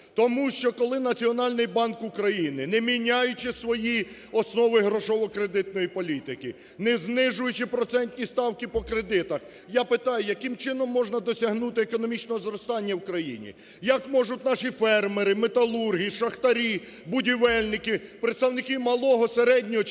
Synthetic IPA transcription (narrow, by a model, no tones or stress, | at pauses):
t̪ɔmuʃt͡ʃɔkɔlˠɪnɐt͡sʲiɔnɑlʲnɪjbɑnkukɾɐjinɪnɛmʲinʲajʊt͡ʃɪsʋɔjiɔsnɔʋɪɦɾɔʃɔʋɔkɾed̪ɪt̪nɔjipɔlʲit̪ɪkɪ | nɛznɪʒʊjʊt͡ʃɪpɾɔt̪sɛnʲt̪ʲnʲist̪ɑwkɪpɔkɾed̪ɪt̪ɐx | japɪt̪ɑjʊjɐkɪmt͡ʃɪnɔmːɔʒnɐd̪ɔsʲɐɦnut̪ɪekɔnɔmʲit͡ʃnɔɦɔzɾɔst̪ɑnʲːɐwukɾɐjḭnʲḭ | jɐkmɔʒʊt̪̚ʲnɑʃifɛrmeɾɪmet̪ɐlˠurɦʲijiʃɐxt̪ɐɾʲi | bʊdʲiʋɛlʲnɪkɪpɾet̪st̪ɐwnɪkɪmɐlˠɔɦɔseɾɛdʲnʲɔɦɔ